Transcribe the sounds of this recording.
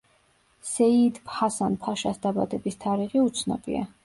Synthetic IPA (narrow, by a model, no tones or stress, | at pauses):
sɛid̪phasanpʰaʃasd̪aba̰d̪ɛbist̪ʰaɾiʁiut̪sʰnɔ̰bḭa̰